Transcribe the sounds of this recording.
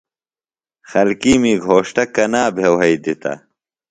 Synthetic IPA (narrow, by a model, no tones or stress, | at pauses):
xɐlkiːmiːɡʱoːʂʈɐkɐnaːbʱewɦɐid̪it̪ɐ̰